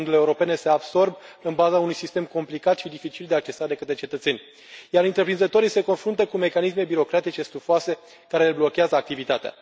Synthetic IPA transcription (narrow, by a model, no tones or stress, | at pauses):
nd̪uleeuɾo̞pe̞ne̞se̞abso̞rbɨnbazaunujsist̪e̞mko̞mplikat̪ʃid̪ifit͡ʃild̪eak̚t͡ʃe̞sad̪e̞kət̪ɾe̞t͡ʃe̞t̪ət̪se̞nʲ | jaɾɨnt̪ɾe̞pɾinzət̪o̞ɾijse̞ko̞nfɾunt̪əkume̞kanisme̞biɾo̞kɾat̪it͡ʃe̞st̪ufoase̞ | kaɾe̞leblo̞kʲeazəak̚t̪ivit̪at̪ea̰